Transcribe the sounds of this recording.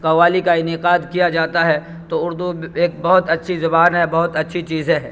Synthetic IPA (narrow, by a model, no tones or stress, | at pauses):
kɐʋaːlikaɪnɪqaːd̪kijad͡ʒaːt̪aɦɛ | t̪oʊɾd̪ueːk̚bɐɦʊt̪ɐtːʃʰizɐbaːnɦɛbɐɦʊt̪ɐtːʃʰit͡ʃiːzẽɦɛ̃ː